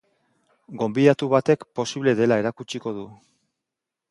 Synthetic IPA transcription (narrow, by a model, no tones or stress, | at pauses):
ɡo̞mbiðat̪uβat̪e̞kpo̞siβle̞ðe̞lae̞ɾakut͡ʃiko̞ðu